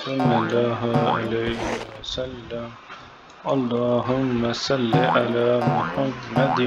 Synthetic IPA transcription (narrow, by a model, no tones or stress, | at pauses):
sɑlːɑlːɑːɦa̰lajɦɪwɐsalːam | ʔɑlˤːɑːɦʊmːasɑlːiʔalaːmʊħamːad̪